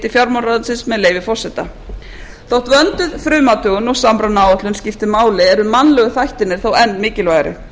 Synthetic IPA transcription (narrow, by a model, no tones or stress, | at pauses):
t̪ɪfjaɾmawnraðansɪnsmɛðleːjvɪfɔr̥sɛt̪a̰ | θowht̪vœnt̪ʏðfɾʏːmat̪ʏɣʏnɔɣsaːmpɾawnaːwat̪lʏnscɪft̪ɪmaːwlɪɛɾʏmanlɛɣʏθajht̪ɪnːɪɾ̥θowɛnːmɪːcɪlvaːjɾɪ̰